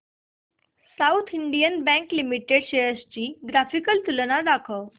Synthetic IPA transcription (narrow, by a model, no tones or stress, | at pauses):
saut̪ʰiɳɖijənbæ̃ŋklimiʈeɽɕejəst͡ɕiːɡɾafikəlt̪ulənad̪akʰəw